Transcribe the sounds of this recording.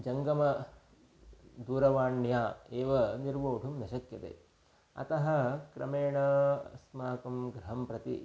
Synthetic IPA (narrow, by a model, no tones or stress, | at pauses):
d͡ʒɐŋɡɐmɐ | d̪uːɾɐʋaːɳjaːeːʋɐniɾʋoːʈʰumnɐʃɐkjɐt̪ḛː | ɐ̰t̪ɐɦɐkɾɐ̰meːɳɐsmaːkɐmɡɾɐɦɐmpɾɐt̪ḭ